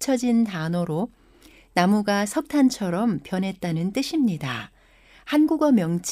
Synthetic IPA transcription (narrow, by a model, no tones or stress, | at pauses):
t͡ɕʰʌd͡ʑintanoɾo | namuɡasʰʌk̚tʰant͡ɕʰʌɾʌmpjʌnɦe̞t̚t͈anɯnt͈ɯɕʰimɲida | hanɡuɡʌmjʌŋt͡ɕʰ